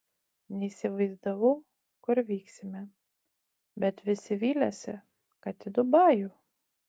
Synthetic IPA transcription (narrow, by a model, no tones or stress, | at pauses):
nʲɛisʲɪʋɐɪzd̪ɐʋɐʊ | kʊɾʋʲiːksʲɪmʲɛ | bʲɛt̪ʋʲɪsʲɪʋʲiːlʲɛsʲɛ̰ | kɐt̪ʲɪd̪ʊbɑːjʊ